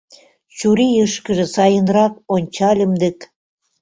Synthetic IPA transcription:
t͡ɕuɾijəʃkə̆ʒĕsɑjənrɑk̚onʲt͡ɕɑlʲəmd̪ə̆k

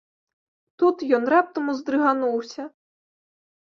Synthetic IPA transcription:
t̪ut̪jɔnrap̚t̪ɐmuzd̪ɾɨɣanuwsʲɐ

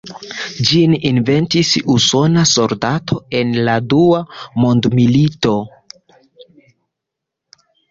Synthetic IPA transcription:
d͡ʒininve̞ntisuso̞naso̞ldatʰo̞e̞nladuamo̞ndmilito̞

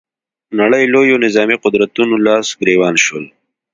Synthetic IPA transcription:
nɐɽəjloːjonɪzɑːmiqʊd̪ɾət̪unulaːsɡɾeːwɑːnʃol

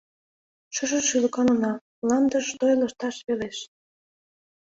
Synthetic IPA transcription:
ʃə̆ʒɤ̆ʃylɤ̆kɑnɤ̆nɑ | lɑnd̪ə̆ʃt̪ojlə̆ʃt̪ɑʃβeleʃ

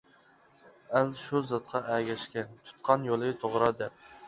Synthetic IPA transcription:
ælʃuzɑt̪̚qʰɑʔæɡʲɛʃkʲɛnt̪ʰu̥t̪̚qʰɑnjolˠɨt̪ʰoʁɾɑd̪ɛp̚

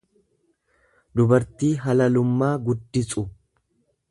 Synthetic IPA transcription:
d̪ʊbɐɾt̪iːɦɐlɐlʊmːaːɡʊd̪ːɪsʼʊ

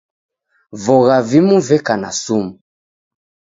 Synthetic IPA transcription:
vɔɣavimuvɛkana̰sumu

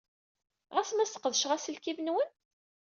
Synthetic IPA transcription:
ʁæsmæst̪ə̥qːəðʃʁæsəlkivnwən

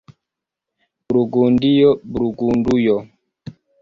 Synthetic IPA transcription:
bɾuɡundijɔbɾuɡundujɔ

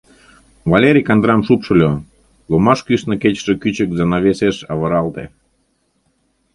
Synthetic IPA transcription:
vɑlʲeɾʲikɑnd̪ɾɑmʃupʃə̆lʲo | lomɑʃkyʃnɤ̆ket͡ɕʃĕkyt͡ɕə̆k̚zɑnɑβeseʃɑβɤ̆ɾɑlt̪ḛ

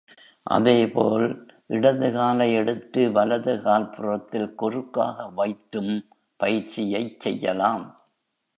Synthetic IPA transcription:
ʔɐ̰ðeːpoːlʔɪɽɐðɯɣaːlɐɪɛɽɯt̪ːɯʋɐlɐðɯkaːlpɯrɐt̪ːɪlkɔrɯkːa̰ːɣɐʋɐɪt̪ːɯm | pɐjɪɾt͡ʃɪjɐɪt͡ʃsɛjːɐ̰laːm

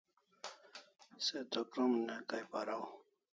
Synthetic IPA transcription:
set̪okɾomnekajpaɾaw

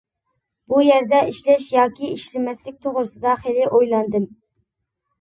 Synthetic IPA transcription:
b̥ujɛɾd̪ɛiʃlɛʃjɑːkʲiiʃlɪmɛslɪk̚ʲt̪ʰoʁɾɨsɨd̪ɑχelɪʔojlˠɑnd̪ɨm

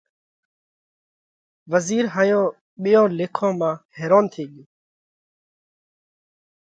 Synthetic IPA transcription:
ʋəziːɾɦaːjõː | ɓɪjõːleːkʰõːmãːheːɾoːnt̪ʰiːɠjuː

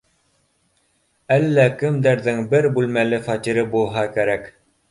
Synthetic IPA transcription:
ælːækɘ̆md̪æɾðɘŋbɘɾbʉlmælɘfɑt̪ʲiɾɘbulˠɦɑkæɾæk

